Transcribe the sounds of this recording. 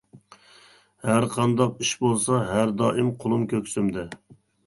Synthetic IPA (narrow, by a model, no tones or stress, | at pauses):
hæɾqʰɑnd̪ɑqiʃbolˠsɑɦæɾd̪ɑːʔɪmqʰʊlˠumkʲʰøkʲsymd̪ɛ